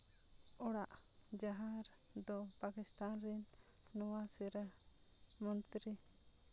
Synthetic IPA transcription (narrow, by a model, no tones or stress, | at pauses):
ɔɽaʔ | d͡ʒaɦaɾ | d̪ɔ | pakist̪anɾin | nɔwasiɾɛ | mɔnt̪ɾi